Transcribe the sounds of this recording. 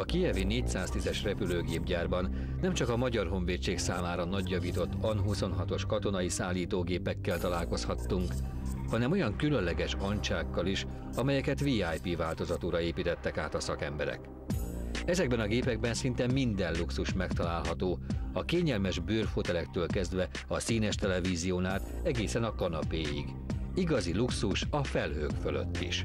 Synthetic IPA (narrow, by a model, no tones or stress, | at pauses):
ɒkijɛvineːc̚saːst̪izɛʃrɛpyløːɡeːbɟaːrbɒnː | ɛmt͡ʃɒkɒmɒɟɒrɦo̞ɱveːt͡ʃːeːksaːmaːɾɒnɒɟjɒviːt̪o̞t̪ːɒnɦuso̞nɦɒt̪o̞ʃkɒt̪o̞nɒjisaːlːiːt̪oːɡeːpɛkːɛlt̪ɒlaːlko̞shɒt̪ːuŋk | hɒnɛmo̞jɒŋkylø̞nlɛɡɛʃɒɲt͡ʃaːkːɒliʃ | ɒmɛjɛkɛt̪viːaːjpivaːlt̪o̞zɒt̪oːɾɒeːpiːt̪ɛt̪ːɛkaːt̪ɒsɒkɛmbɛɾɛ̰k | ɛzɛɡ̚bɛnɒɡeːpɛɡ̚bɛnsint̪ɛmːind̪ɛnluksuʃmɛkt̪ɒlaːlɦɒt̪oːɒkeːɲɛlmɛʒbøːrfot̪ɛlɛkt̪øːlkɛzd̪ʋɛ | ɒsiːnɛʃt̪ɛlɛviːzijoːnaːt̪ | ɛɡeːsɛnɒkɒnɒpeːjḭɡ | iɡɒziluksuʃɒfɛlɦøːkfølø̰t̪ːḭʃ